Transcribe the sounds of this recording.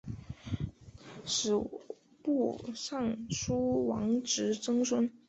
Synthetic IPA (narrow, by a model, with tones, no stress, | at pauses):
ʂɻ̩˨˩ | pu˥˩ʂɑ˥˩ŋʂu˥wɑ̰˧˥ŋʈ͡ʂɻ̩˧˥ʈ͡ʂɤ˥ŋswə˥n